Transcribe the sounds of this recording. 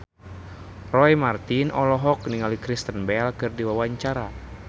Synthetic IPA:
rɔɛmart̪inɔlɔɦɔkniŋalikɾist̪ənbɛlkɨrdiwawaɲt͡ʃaɾa

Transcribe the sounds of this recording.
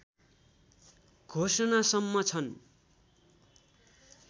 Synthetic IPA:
ɡʱosʌnasʌmːʌt͡sʰʌn

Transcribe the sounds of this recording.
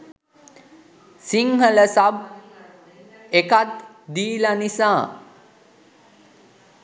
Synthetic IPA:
siŋɦələsab̚ | ekat̪ | d̪iːlanisaː

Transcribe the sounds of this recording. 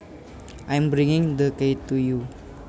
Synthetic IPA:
ʔajmbɾɪ̃ŋɪ̃ŋd̪əkeɪtuju

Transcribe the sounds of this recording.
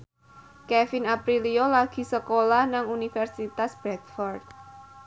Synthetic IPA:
kɛfinapɾiliolaɡ̥i̤səkolahnaŋunifɛrsit̪asb̥ɾɛt̪fɔrd̪̚

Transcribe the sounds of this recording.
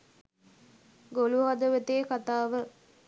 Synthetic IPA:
ɡoluɦad̪əʋət̪eːkat̪aːʋə

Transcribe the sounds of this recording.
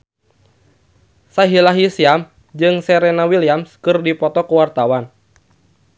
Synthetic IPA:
saɦilaɦisiam | d͡ʒɨŋsɛɾɛnawiliamskɨrdipɔt̪ɔkuwart̪awan

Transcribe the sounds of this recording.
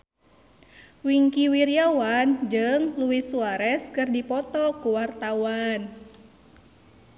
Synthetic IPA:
wiŋkiwiɾiawand͡ʒɨŋluwisuaɾɛskɨrdipɔt̪ɔkuwart̪awan

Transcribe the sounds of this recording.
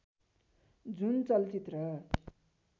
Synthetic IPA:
d͡zunt͡sʌlt͡sit̪rʌ

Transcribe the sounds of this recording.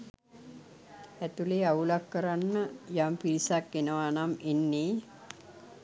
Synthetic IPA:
æt̪uleaulakːəɾanːəjampiɾisakːenəʋanamenːe

